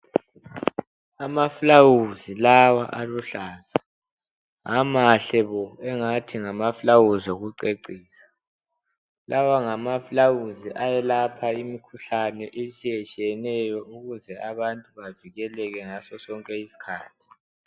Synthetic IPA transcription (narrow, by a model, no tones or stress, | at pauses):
amafulawuzilawaʔaluɬaːza | ŋamaɬɛβɔɛŋatʰiŋamaflawuzɔɣuǀeǀiːsḁ | lʔawaŋamafulawuziʔajɛlapʰaimikʰuɬanɛʔesijɛt͡ʃʼijɛnɛjɔuɣuzɛaβantʼuβaviɣɛlɛɣɛŋasɔsɔŋkʼɛisi̥kʰaːtʰi̥